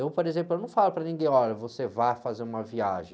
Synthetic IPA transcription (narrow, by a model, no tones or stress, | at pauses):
ewpoɾezẽplʊewnɐ̃w̃falʊpɾɐnĩɡẽj̃ɔʎɐvosevajfazeɾũmɐviaʒẽ